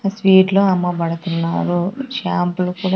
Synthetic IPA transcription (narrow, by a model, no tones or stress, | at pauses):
sʋiːɖloɐmːɐbɐɽɐt̪unːaːɾuʃaːmpulukuːɽa